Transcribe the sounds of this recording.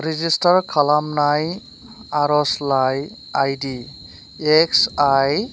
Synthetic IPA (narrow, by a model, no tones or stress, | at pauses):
ɾizistaɹkʰalamnaj | aɾɔslaj | ajdi | eksaj